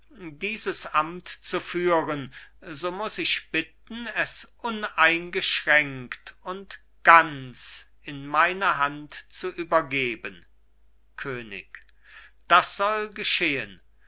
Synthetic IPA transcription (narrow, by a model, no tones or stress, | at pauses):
diːzəsʔamtt͡sufyːʁənzoːmʊsɪçb̥ɪt̚n̩ɛsʔʊnaɪnɡəʃʁɛŋktʊnt | ɡ̥ant͡s | ɪnmaɪnɐɦantt͡suʔyːbɐɡeːbən | kʰøːnɪ̰k | d̥asz̥ɔlɡəʃeːən